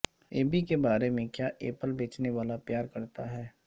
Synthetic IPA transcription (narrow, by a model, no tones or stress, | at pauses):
eːbikebaːɾemẽkjaːʔeːpəlbeːt͡ʃneʋaːlapjaːɾkɐɾt̪aɦɛː